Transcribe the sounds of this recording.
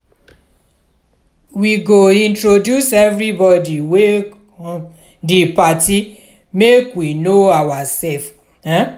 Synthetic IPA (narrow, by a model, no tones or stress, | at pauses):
wiɡoĩntɹodjusɛvɾibɔdiwe | ɔ | dipati | mekwinoawasɛlf